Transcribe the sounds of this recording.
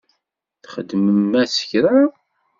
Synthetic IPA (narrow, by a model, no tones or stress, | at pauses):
θχə̰d̪məmːæsə̥çɾa